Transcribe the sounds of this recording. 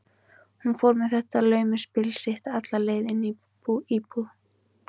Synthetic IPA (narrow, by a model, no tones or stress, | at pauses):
hunfowɾmɛðθɛht̪alœːɥmʏspɪlsɪht̪at̪laleːjðɪni | iːpuð